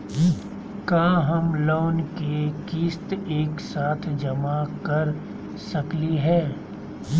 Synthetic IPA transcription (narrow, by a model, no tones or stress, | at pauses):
kaːɦɐmloːnkekiːst̪eːksaːt̪ʰd͡ʒɐmakɐɾ | sɐkliɦɛː